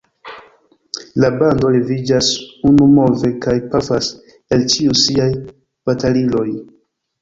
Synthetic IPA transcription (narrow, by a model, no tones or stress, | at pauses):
labando̞levid͡ʒasunumo̞ve̞kajpafas | elt͡ʃiusiaj | b̥atalilo̞j